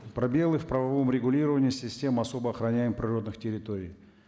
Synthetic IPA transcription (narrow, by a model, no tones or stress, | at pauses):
pɾɐbʲe̞lˠɨfpɾəvɐvo̞mɾʲɪɡʊlʲiɾəvənʲɪːsʲɪsʲtʲe̞mɐso̞bəɐxɾɐnʲæjɪmpɾʲɪro̞d̪nɨxtʲɪɾʲɪt̪oɾʲɪj